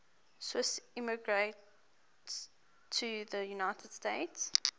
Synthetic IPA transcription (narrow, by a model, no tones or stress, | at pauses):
swɪsɪməɡɹet | s | tʰːuðəjunaɪtʰəd̥steɪts